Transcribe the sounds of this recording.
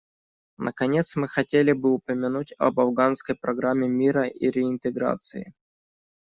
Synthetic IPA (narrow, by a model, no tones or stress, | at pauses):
nʔə̰kɐnʲe̞t̪smɨxɐtʲelʲɪbɨʊpəmʲɪnutʲɐ̰bɐvɡanskəjpɾɐɡɾamʲːɪmʲiɾəʔiɾʲɪɪnt̪ɨɡɾa̰t̪sɨ̰ɪ̰